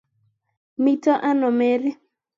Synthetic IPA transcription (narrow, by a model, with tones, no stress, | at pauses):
mi˦tɔ˦ʔa˦nɔ˨me˦ɾɪ˦